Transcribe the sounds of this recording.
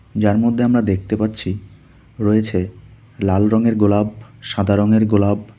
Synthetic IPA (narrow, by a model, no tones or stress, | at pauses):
d͡ʑaɾmod̪ʱːeamɾad̪ek̚ʰt̪epatːɕʰi | ɾoet͡ɕʰe | lalɾɔŋeɾɡolab̚ʃad̪ʱaɾoŋeɾɡolab̚